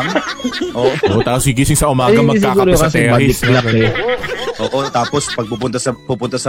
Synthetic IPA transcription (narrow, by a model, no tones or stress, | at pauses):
mʔoːʔʔʔot̪aːposɡiɡ̬isɪŋsɐʔʊmaːɡɐmɐsaaːɡuɐɾoɐkɐsɛːɾɪɪsla | ʔoːʔot̪aːpospɐɡ̚puːpʊnt̪ɐsɐpuːpʊnt̪ɐsɐ